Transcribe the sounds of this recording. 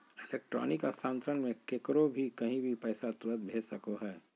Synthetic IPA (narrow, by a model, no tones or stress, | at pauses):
ɪleːk̚ʈɾɔ̰ːnɪkasãːnt̪ɾənmẽkeːkɾobʱikɐɦĩbʱipɛːsat̪ɾəd̪bʱeːsəkoɦɛː